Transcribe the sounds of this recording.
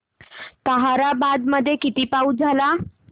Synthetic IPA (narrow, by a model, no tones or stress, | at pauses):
t̪əɦaɾabad̪məd̪ʱːjekit̪iːpaud͡zʱala